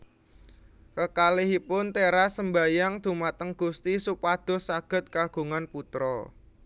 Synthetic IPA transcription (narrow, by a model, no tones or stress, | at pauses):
kəkaliɦipʊnt̪eɾasəmba̤jaŋd̪̥ṳmat̪əŋɡ̥ust̪isupad̪̥ʊ̤hsaɡ̥ə̤t̪̚kaɡ̥ṳŋanput̪ɾɔ